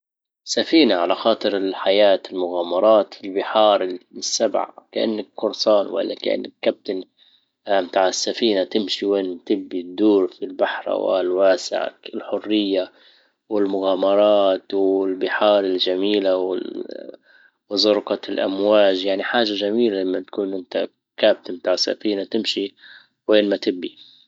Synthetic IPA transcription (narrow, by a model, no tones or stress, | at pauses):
safiːnaʕalaxɑːt̪ˤɨɾɪlħajaːt̪ɪlmʊɣaːmɑɾˤɑːt̪fɪlbɪħɑːɾˤɪsːabʕa̰kaʔɪ̰nːakkʊɾˤsˤɑːnwa̰lːa̰ka̰ʔɪ̰nːakːab̚t̪an | mt̪aːʕɪsːafiːnat̪ɪmʃiweːnmt̪ɪbːid̪ːuːɾfilbaħɾˤa̰wa̰lwaːsɪ̰ʕa̰lħʊrːɪjːa | wɪlmʊɣaːmɑɾˤɑːt̪wɪlbɪħɑːɾˤɪld͡ʒamiːlawɪ̰ | wzˤʊɾqɑlʔamwaːd͡ʒjaʕniħaːʒaʒamiːlalamːat̪ḁkuːnʔɪnt̪a | kaːb̚t̪ɪmt̪aːʕɪsːa̰fiːnat̪ɪmʃi | weːnmat̪ɪbːi